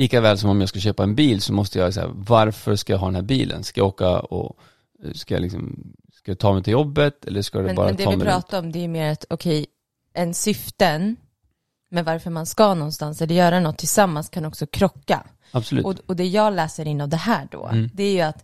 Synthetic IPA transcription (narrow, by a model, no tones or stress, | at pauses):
liːkavɛːlsɔmɔmjaːɡskaɕøːpaɛnbiːlsɔmɔst̪əjasæ̰vaɾfœʂkajaɦɑːd̪ɛnæːɾbḭːlʔə̰nskaja̰oːka̰ɔ̰ | skaja̰lɪksɔ̰m | skajat̪ʰɑːmɛjt̪ʰɪljɔbːət̪ɛ̰lːəʂkad̪mɛnbɑ̰ːɾɛatd̪ɛɪpʰɾɑːt̪aɾɔmd̪ɛæjɵmeːɾat̪ɔkʰɛj | ʔɛnsʏft̪ən | mɛvaɾfœɾmanskanɔnst̪ansɛlːəɾjœːɾanɔt̪ʰːɪlsamːanskʰanɔksɔkʰɾɔkːa̰ | absɔlʉ̟ːɔɔd̪ɛjɑːɡlɛːsəɾɪnːavd̪ɛɦæːɖɔ̰ːd̪ɛæjɵat̪